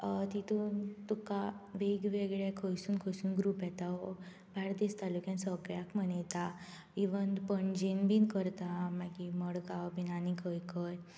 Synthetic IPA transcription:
t̪it̪unt̪ukaʋeɡʋeɡɭekʰəjsuːnkʰəjsuːnɡɾupɛt̪ao | bʱaɽd̪ist̪alukjãnsəɡɭjakm̤ənet̪a | ʋiʋənd̪pənd͡ʑenbinkəɾt̪amaɡiməɽɡawbinanikʰəjkʰəj

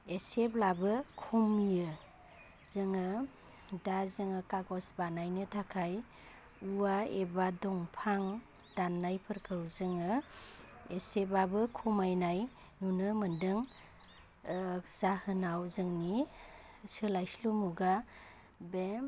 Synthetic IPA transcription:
eseblabɯkʰumijɯ | zɯŋɯ | dazɯŋɯkaɡɔsbanajnɯtʰakʰaj | uaebadɔŋpʰaŋ | d̥anːajpʰɯɾkʰɯwzɯŋɯ | esebabɯkʰumajnaj | nunɯmɯndɯŋ | z̥ahɯnawzɯŋni | sɯlajslumuɡa | be

